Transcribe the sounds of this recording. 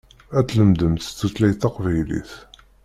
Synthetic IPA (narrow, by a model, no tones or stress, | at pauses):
æt͡sːləmd̪əmθt͡sːut͡slæjθɑqvæjlḭθ